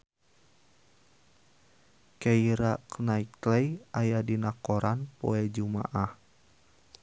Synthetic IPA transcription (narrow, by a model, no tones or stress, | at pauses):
kɛiɾaknaiklɛjajadinakɔɾanpɔɛd͡ʒuma̰ʔah